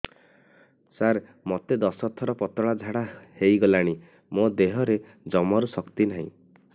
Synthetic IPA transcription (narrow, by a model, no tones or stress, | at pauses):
saɾ | mɔt̪ed̪ɔsɔt̪ʰɔɾɔpɔt̪ɔɭad͡ʒʱaɽahejɡɔlaɽ̃i | mod̪eɦɔɾe | d͡ʒɔmɔɾusɔkt̪inaɦḭ̃